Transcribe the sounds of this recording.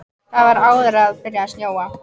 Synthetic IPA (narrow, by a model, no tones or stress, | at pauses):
θaðvaɾaːwðʏɾaðpɪɾjasnjoːwa